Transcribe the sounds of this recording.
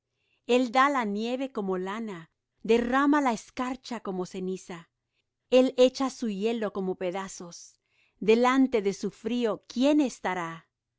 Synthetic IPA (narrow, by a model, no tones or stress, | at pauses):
e̞ld̪alanje̞βe̞ko̞mo̞lana | d̪e̞ramalaeskaɾt͡ʃako̞mo̞se̞nisa | e̞le̞t͡ʃasuʝe̞lo̞ko̞mo̞pe̞ðaso̞s | d̪e̞lant̪e̞ðe̞sufɾio̞kje̞ne̞st̪aɾa